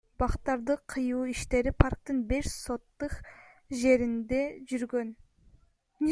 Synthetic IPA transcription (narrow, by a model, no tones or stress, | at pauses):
bɑqt̪ːɑɾd̪əqʰːɯjuːiʃt̪e̞ɾipʰaɾk̚t̪ɯɴbe̞ʃso̞t̪ːɯq | ʒe̞ɾind̪e̞ʒyɾɡøn | nʲ